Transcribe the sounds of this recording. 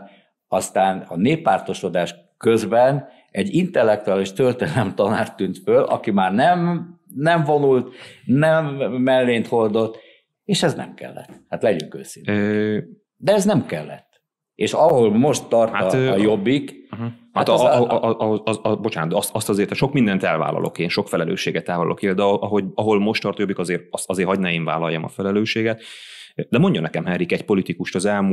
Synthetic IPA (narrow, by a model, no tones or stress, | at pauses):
ɒst̪aːnɒneːpːaːrt̪o̞ʃo̞d̪aːʃ | kø̞zbɛn | ɛɟːint̪ɛlːɛk̚t̪uaːliʃt̪ørt̪enɛlɛmt̪ɒnaːrt̪ːynt̪følʔɒ̰kimaːrnɛm | nɛɱvo̞nult̪nɛmːɛlːeːnt̪ho̞rd̪o̞t̪ː | eːʃɛznɛ̰mkɛ̰lːɛ̰t̪ːhat̪lɛɟyŋkø̰ːsin | d̪ɛɛznɛmkɛlːɛ̰t̪ː | eːʃɒho̞lmo̞ʃt̪ːɒrt̪hat̪jobːikɦhat̪ʔʔʔɦozɒbo̞t͡ʃaːnot̪ɒst̪ɒst̪ɒzeːrt̪ɛʃo̞kmind̪ɛnt̪ɛlva̰ːlɒ̰lʔo̞̰keːnʃo̞kfɛlɛlø̰ːʃeːɡɛt̪ːɛlvɒlɒ̰lo̰keːld̪ɒʔɒɦo̞ɟɒɦo̞lmo̞ʃt̪ɒrt̪jo̞bːikɒzeːɾɒst̪ɒzeːrɦɒɟnɛeːɱva̰ːlɒjːɒmɒ̰fɛlɛløːʃeːɡɛt̪ːd̪ɛmo̞ɲɟonɛkɛmɦɛrikɛcpo̞lit̪ikuʃt̪ɒzɛlmu